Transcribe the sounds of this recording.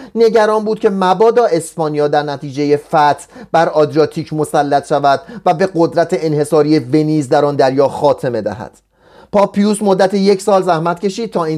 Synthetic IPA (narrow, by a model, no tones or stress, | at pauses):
ne̞ɟæɾɒːnbuːd̪̥̚kcʰe̞mæbɒːd̪ɒːe̞spɒːnijɒːd̪æɾnæt̪ʰiːd͡ʒe̞je̞fæt̪ʰbæɾɒːd̪ɾijɒːt̪ʰiːcʰmo̞sælːæt̪ʃævæd̪̥̚væbe̞ɡo̞d̪ɾæt̪ʰeenhe̞sɒːɾiːe̞ve̞niːzd̪æɾɒːnd̪æɾjɒːxɒːt̪ʰe̞me̞d̪æ̰hæ̰d̪̥ | pʰɒːpʰːijusmod̪ːæt̪ʰeje̞cʰsɒːlzæhmæt̪ce̞ʃiːd̥̪̚t̪ʰɒːiː